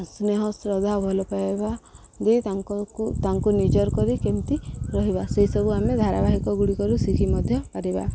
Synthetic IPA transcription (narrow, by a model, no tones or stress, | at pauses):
sneɦɔsɾɔd̪ʱabʱɔlɔpaeba | d̪et̪aŋkɔkut̪aŋkunid͡ʒɔɾkɔɾikemt̪iɾɔɦibaseɦisɔbuamed̪ʱaɾabaɦikɔɡuɽikɔɾusikʰimɔd̪ʱjɔpaɾiba̰